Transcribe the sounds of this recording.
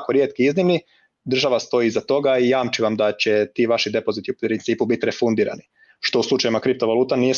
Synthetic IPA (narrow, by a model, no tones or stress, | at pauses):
koɾje̞ːt̪̚kiiznimni | d̪r̩ʒaʋast̪o̞jiːzat̪o̞ɡaijaːmt͡ʃiʋamd̪at͡ɕet̪iːʋaʃid̪e̞po̞zit̪iupɾɾint̪siːpubit̪ɾefund̪iːɾa̰ni | ʃt̪o̞uslˠut͡ʃajimakɾip̚t̪o̞ʋalˠuːt̪anije